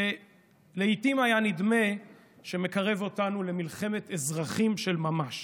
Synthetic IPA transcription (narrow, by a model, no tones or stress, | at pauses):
e | leit̪imajanid̪me̞ | ʃe̞me̞kaʁe̞vo̞tanule̞milχe̞me̞t̪ezʁaχimʃe̞lmamaʃ